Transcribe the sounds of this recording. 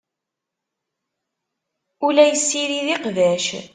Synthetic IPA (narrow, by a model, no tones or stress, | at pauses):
ulæjəsːiɾiðiqðæʃ